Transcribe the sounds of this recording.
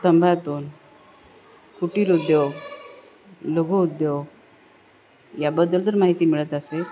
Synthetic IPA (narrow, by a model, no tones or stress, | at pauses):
t̪əmbʱat̪uːn | kuʈiːɾud̪joɡ | loɡʱoud̪joɡ | jabəd̪ːəld͡zəɾmaɦit̪iːmiɭət̪əse